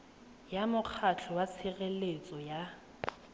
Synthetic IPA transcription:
jamʊk͡xʰat͡ɬʰɔwat͡sʰɪɣelet͡sʼɔja

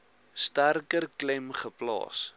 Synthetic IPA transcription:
stærkərklɛmχəplɑ̰ːs

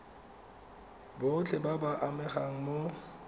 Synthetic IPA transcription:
bot͡ɬʰɛbabaʔamɛχaŋ̩mo

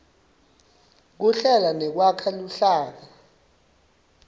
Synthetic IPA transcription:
k̬uɬɛlanɛk̬wakʰaluɬaːk̬a

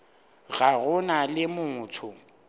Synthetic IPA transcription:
ɣaɣʊnalɪmʊːtʰʊ

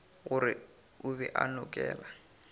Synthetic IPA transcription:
ɣʊɾɪ | ʊβɛʔanʊkʼɛːla

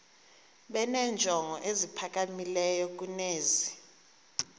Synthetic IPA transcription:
ɓɛnɛnd͡ʒʱɔŋʱɔʔezipʰak̬ʼamilɛjɔk̬ʼuneːzi

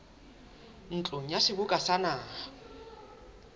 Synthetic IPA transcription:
n̩t͡ɬʼoŋ̩jasɪbukʼasanaː

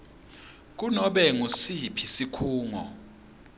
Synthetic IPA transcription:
k̬unɔɓɛŋusipʰisikʰuːŋɔ̰

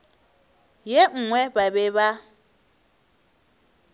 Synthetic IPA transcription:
jeŋ̩ŋwɛbaβɛβa

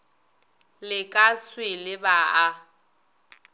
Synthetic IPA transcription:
lɪkʼaswɪlɪbaa

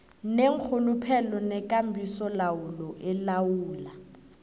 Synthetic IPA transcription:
neŋ̩k͡xʰʊlʊpʰɛlɔnɛkʼam̩bʱisɔlaʊlɔʔɪlawuːla

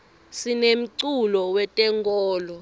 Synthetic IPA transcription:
sinem̩ǀulɔwɛtʼɛŋkʼɔːlɔ

